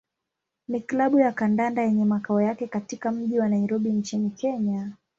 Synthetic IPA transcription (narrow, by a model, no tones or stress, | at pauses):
miklaɓujakandandajɛɲɛmakaɔjakɛkatikam̩ʄiwanaiɾɔɓint͡ʃinikɛɲa